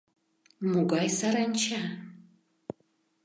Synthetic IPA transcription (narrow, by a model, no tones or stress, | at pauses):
muɡʷajsaɾant͡ʃʰa